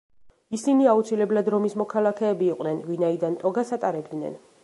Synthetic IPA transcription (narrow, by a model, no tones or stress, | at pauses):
isiniaut̪sʰilɛblad̪ɾɔmismɔkʰalˠakʰɛːbiːqʼnɛnvinaid̪ant̪ʼɔɡasat̪ʼaɾɛb̚d̪nɛ̰n